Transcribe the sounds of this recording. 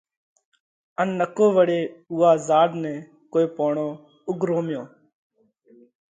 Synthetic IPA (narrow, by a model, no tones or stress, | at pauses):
ənːəkoːʋəɽeːuːaːzaːɖnɛ̃ː | koːeːpoːɳoː | ʊɡʱɾoːmjõː